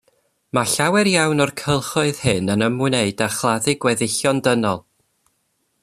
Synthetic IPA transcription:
maɬawɛɾjawnɔrkʰəlˠχʊɨð̥hɨnənəmɨneɨdaχlˠaðɪɡwɛðɪɬjɔndənɔlˠ

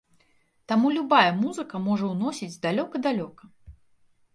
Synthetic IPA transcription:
t̪amulʲubajɐmuzɨkɐmɔʐɐwnɔsʲid͡zʲzd̪alʲɔkɐd̪alʲɔkɐ

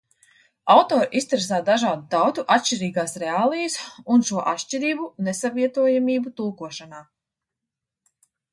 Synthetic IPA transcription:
awt̪ɔːɾʔist̪ɾes̬aːd̪aʒaːd̪ut̪awt̪uʔat̪ʃt͡ʃiɾiːɡaːsɾɛaːlˠijəsunʃuɔʔa̰t̪ʃt͡ʃiɾiːbunesaviɛt̪uɔjamiːbut̪ulˠkuɔʃanaː

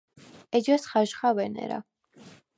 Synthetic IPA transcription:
ɛd͡ʒasχaʒχavɛnɛ̰ɾa̰

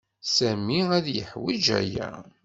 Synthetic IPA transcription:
sæmiæðjəħwid͡ʒæ̰jæ̰

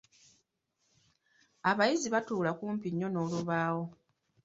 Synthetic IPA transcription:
aβajiziβatuːlakuːmpiɲːo̞no̞ːluβaːwo̞

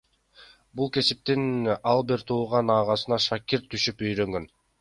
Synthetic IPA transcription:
bulˠke̞sip̚t̪inɑlˠbiɾt̪ʰuːʁɑnɑːʁɑsɯnɑʃɑkʲiɾt̪ʰːyʃypøjɾø̞ŋɡø̞n

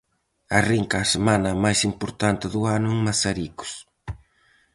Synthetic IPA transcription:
ɐriŋkɐːsemanɐmajsimpoɾt̪ant̪ɪðʊanʊɛŋmasaɾikʊ̥s

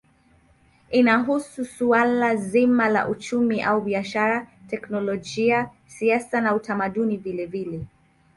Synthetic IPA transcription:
inaɦususualazimala̰ʔut͡ʃumiʔauɓiaʃaɾatɛknɔlɔʄia | siasanautamaɗunivilɛvilɛ

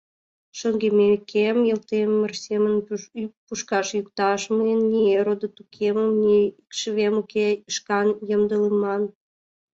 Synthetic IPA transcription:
ʃoŋɡemekʰemjəlt̪emːərsemənpuʃkɑʃjukt̪ɑʃməenːʲieɾod̪ot̪ukʰeməmnikʃəβemukeəʃkɑnjəmd̪əlemɑn

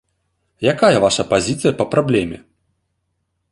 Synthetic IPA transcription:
jakajɐvaʂɐpazʲit̪sɨjɐpɐpɾablʲɛmʲɛ̰

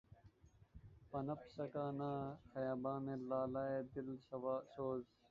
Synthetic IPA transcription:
pɐnɐpsɐkaːnaːxɐjaːbaːmẽlaːlaːeːd̪ɪlsɐwaːsoːz

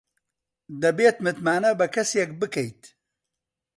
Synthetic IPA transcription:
d̪ɐbeːt̪mɨt̪maːnɐbɐkʰɐsjek̚bɨkɐjt̪

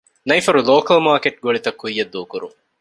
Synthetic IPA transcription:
nɐifɐɾuloːkɐlmaːkeʈ̚ɡoɭit̪ɐkːujːɐd̪ːuːkuɾuŋ

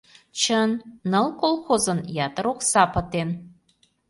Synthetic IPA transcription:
t͡ɕənːəlkolˠxozənjɑt̪əɾoksɑpət̪en

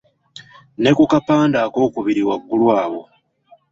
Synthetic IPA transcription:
ne̞kukapaːndaːko̞ːkuβiɾiwaɡːulwaːβo̞

